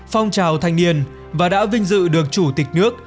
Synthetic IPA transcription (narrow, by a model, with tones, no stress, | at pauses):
fɔ˧wŋ͡mt͡ɕaː˨˩wt̪ʰa˨˩jŋ̟ni˧ən | vaː˨˩ɗa̰ː˧˥vï˧ŋ̟zɨ̰˧˨ɗɨ˨˩ək̚t͡ɕu˧˩t̪ï˨˩k̟̚nɨ˦˥ək̚